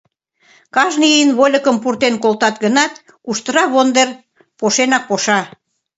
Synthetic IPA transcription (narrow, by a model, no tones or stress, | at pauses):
kɑʒniənβolʲə̆kəmpurt̪enkolt̪ɑt̪ɡənɑt̪ | kuʃt̪əɾɑβond̪er | poʃenɑk̚poʃɑ